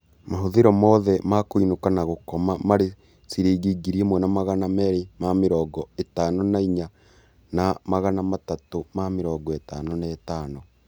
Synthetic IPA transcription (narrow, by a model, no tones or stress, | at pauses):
maɦoðeɾɔmɔːðɛmakoinokanaɣokɔmamaɾe | siɾiːɡiɡiɾiemwɛnamaɣanamɛɾemameɾɔːɡɔetaːnonaiɲa | namaɣanamatatomameɾɔːɡɔetaːnonɛtaːno